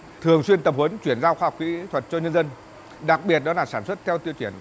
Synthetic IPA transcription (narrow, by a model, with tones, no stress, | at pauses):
t̪ʰɨ˨˩əŋswi˧ənt̪ə˨˩mhə˨˦nt͡ɕwi˧˩ənzaː˧wxaː˧ɦkḭ˧˥t̪ʰwə˨˩t̚t͡ɕɔ˧ɲə˧nzə˧n | ɗa˨˩k̚ɓi˨˩ət̚ɗɔ˨˦laː˨˩saː˧˩nswə˦˥t̚t̪ʰɛ˧wt̪i˧əwt͡ɕi˧˩ən